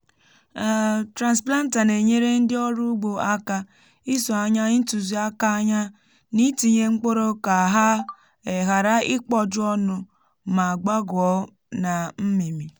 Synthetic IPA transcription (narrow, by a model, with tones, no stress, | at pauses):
tɾa˨nspla˦n̩˦ta˨ne˨ɲe˦ɾe˦n̩˦dɪ˦ɔ˦ɾu˦ɡ͡bo˨a˦ka˦ | i˦sɔ˨a˨ɲa˦n̩˦tu˨zi˦a˦ka˦a˦ɲa˦ | ni˦ti˨ɲe˦ŋ͡m̩˦k͡po˦ɾo˦ka˨ɦa˦ | e˨ɦa˨ɾa˦ɪ˦k͡pɔ˦d͡ʒʊ˦ɔ˦nʊ˦ | ma˨a˨ɡ͡ba˦ɡɔ˦ | na˨m̩˦mi˨mi˨